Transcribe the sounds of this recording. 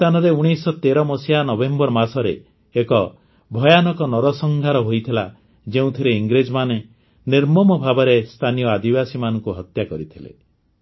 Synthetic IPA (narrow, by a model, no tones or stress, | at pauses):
t̪anɔɾeuɽ̃isɔt̪eɾɔmɔsianɔbembɔɾmasɔɾeː | kɔ | bʱɔjanɔkɔnɔɾɔsɔŋɡʱaɾɔɦojt̪ʰila | d͡ʒeũt̪ʰiɾeiŋɡɾed͡ʒɔmane | niɾmɔmɔbʱabɔɾest̪ʰanijɔad̪ibasimanɔŋkuɦɔt̪jakɔɾit̪ʰilḛ